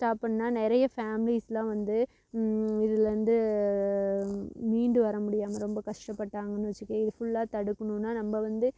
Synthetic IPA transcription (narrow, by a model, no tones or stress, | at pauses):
sʈaːpːɐɳːnaːnɛɾɐjɐfaːmɪlislãːʋɐnd̪ɯ | ɪðɪlɾɐnd̪ɯ | miːɳɖɯʋɐɾɐmʊɽɪjaːmɐɾɔmbɐkɐʂʈɐpːɐʈːaːŋɡɐnːɯʋɐt͡ʃːɯkːɐ̃ɪðɯfʊɭːaːt̪ɐɽɯkːɐɳũnːaːnɐmːɐʋɐnd̪ɯ